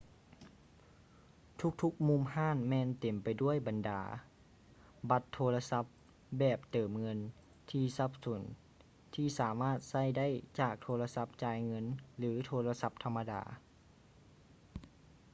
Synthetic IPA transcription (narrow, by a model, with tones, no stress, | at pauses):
t̪ʰu˧˦˥k̚t̪ʰu˧˦˥k̚mu˧˥mhaː˥˨nmɛː˧nt̪e˨˩mpa˨jdu˥˩əjba˨nda̰ː˩˦ | ba˧˥t̪ʰːoː˧la˧sa˧˦˥p̚ | bɛː˨˩p̚t̪ɤː˨˩mŋɤ˧n | t̪ʰiː˧˩sa˧˥p̚su˨˩˦n | t̪ʰiː˧˩saː˩˦maː˥˩t̪̚sa˥˩jda˥˩˨jt͡ɕaː˨˩k̚t̪ʰoː˧la˧sa˧˥p̚t͡ɕaː˧jŋɤ˧˥˨nlɯː˩˦t̪ʰoː˧la˧sa˧˦˥p̚t̪ʰa˧mːa˧da̰ː˩˦